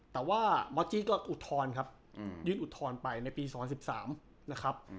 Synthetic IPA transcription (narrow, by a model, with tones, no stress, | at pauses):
t̪ɛː˨˩waː˥˩mɔ˦˥t͡ɕiː˦˥kɔː˥˩ʔu˨˩t̪ʰːɔː˧nkʰa˦˥p̚ | jɯː˥˩nʔu˨˩t̪ʰːɔː˧npa˧jna˧jpiː˧s̬ɔː˩˦pʰa˧si˨˩p̚sa̰ː˩˦m | na˦˥kʰa˦˥p̚